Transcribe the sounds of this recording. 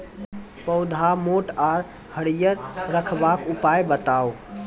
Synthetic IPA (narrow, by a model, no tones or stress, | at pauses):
pəʊd̪ʱamoːʈaːɾ | həɽijəɾɾəkʰbakʊpajbət̪aːo